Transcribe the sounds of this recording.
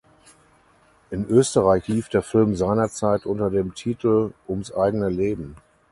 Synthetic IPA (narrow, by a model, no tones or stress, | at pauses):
ʔɪnʔøːstəʁaɪçliːfd̥eːɐfɪlmzaɪnɐt͡saɪtʔʊntɐdeːmtʰiːtl̩ʔʊmsʔaɪɡənəleːbm̩